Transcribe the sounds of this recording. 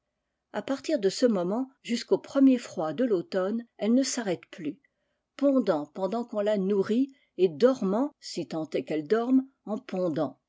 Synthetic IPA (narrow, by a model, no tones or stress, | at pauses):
apaʁt̪iʁd̪əsəmɔmɑ̃ʒyskopχəmjefχwad̪əlot̪ɔnɛlnəsaʁɛt̪ply | pɔ̃d̪ɑ̃pɑ̃d̪ɑ̃kɔ̃lanuʁi | ed̪ɔʁmɑ̃sit̪ɑ̃t̪ɛkɛld̪ɔʁm | ɑ̃pɔ̃d̪ɑ̃